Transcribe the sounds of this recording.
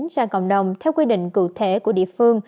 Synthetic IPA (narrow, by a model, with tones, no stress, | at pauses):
nzaː˧˩kə̰˧˨wŋ͡mɗə˨˩wŋ͡mt̪ʰɛ˧wkwi˧ɗḭ̈˧˨ŋ̟kṵ˧˩t̪ʰe˧˩ku˧˩əɗḭ˧˨əfɨ˧əŋ